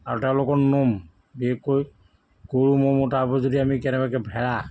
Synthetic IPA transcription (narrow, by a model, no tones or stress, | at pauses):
aɹɔtɛʊ̃lokɔnom | biɛkːoj | koɹumɔmɔtabɔzodiamikɛnɛbakɛbʱɛɹa